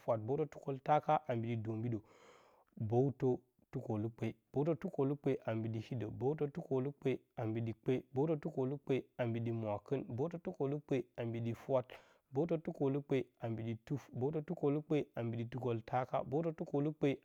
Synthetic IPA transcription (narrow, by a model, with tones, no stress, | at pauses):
fa˨t̚bo˦to˦tu˦ko˦lta˦ka˦ʔa˨mbi˨di˨do˨mbi˦ɗo˨ | bo˦wu˦to˦ | tu˦ko˨lu˦k͡pe˨i˦b̥o˦u˦to˦tu˦ko˨lu˦k͡pe˦ʔa˨mbi˨di˨hi˦də˨bo˦wto˦tu˦ko˨lu˦k͡pe˦ | a˨mbi˨ɗi˨k͡pe˦bo˦to˦tu˦ko˨lu˦k͡pe˦a˨mbi˨ɗi˨mʷ˨a˨kə˦nbo˦t̬o˦tu˦ko˨lu˦k͡pe˦a˨mbi˨ɗi˦˨fwa˦t̚ | bo˦u˦t̬o˦tu˦ko˨lu˦k͡pe˦a˨mbi˨ɗi˨tu˦fbo˦u˦to˦tu˦ko˨lu˦k͡pe˦a˨mbi˨ɗi˨tu˦ko˦ltʰa˦ka̰˦bo˦to˦tu˦ko˨lu˦k͡pe˦